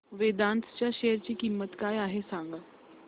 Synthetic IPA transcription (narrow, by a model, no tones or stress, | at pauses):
ʋeːd̪ãːnt̪ʰt͡ɕjaʃeːəɾt͡ɕikimːət̪kaːjaːɦesãːŋɡa